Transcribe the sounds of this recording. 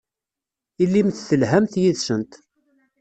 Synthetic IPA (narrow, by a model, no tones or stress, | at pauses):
ilːimθθəlɦæmθjiðsənt̪